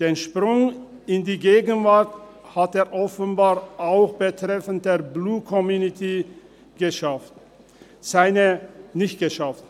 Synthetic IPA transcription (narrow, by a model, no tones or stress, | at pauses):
d̥eːnʃpʁʊŋ | ɪndiːɡeːɡən̩vaɐt | hateːɐʔɔfənbaːʁʔaʊxb̥ətʁ̥ɛfəntdeːɐbluːtkʰɔmjuːnitʰi | ɡ̥əʃaft | z̥aɪnənɪçt̚ɡ̥əʃaft